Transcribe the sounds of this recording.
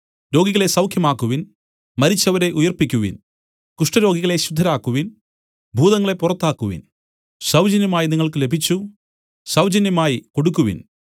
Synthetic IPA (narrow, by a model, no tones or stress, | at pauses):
ɾo̞ːɡiɣɐɭe̞sɐwkʰjɐmaːkːuʋin | mɐɾit͡ɕːɐʋɐɾe̞ʔujɐrpikʲːuʋḭn | kuʂʈɐɾo̞ːɡiɣɐɭe̞ɕud̪ʱːɐɾaːkːuʋin | bʱuːðɐŋːɐɭe̞purɐt̪ːaːkːuʋḭn | ɕɐwd͡ʑɐnjɐmaːjiniŋːɐɭkɨle̞bʱit͡ɕːu | ɕɐwd͡ʑɐnjɐmaːjiko̞ɽukːuʋḭn